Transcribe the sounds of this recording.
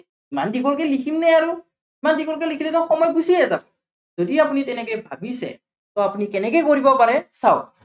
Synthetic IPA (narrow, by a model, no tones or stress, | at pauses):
imandiɡɔlkɛlikʰimnɛjaɹu | imandiɡɔlk̬ɛlikʰilɛtɔxɔmɔjɡusiɛzabɔ | zodiapunitɛnɛkɔjbʱa̰bisɛ̰ | tɔapunikɛnɛkɛkoɹibɔpaɹɛsaw